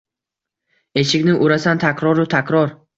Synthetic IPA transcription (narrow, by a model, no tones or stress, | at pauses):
e̞ʃɪkʲnɪŋʔʊɾasant̪ʰakʰʲɾɒɾɪt̪ʰakʲɾɒɾ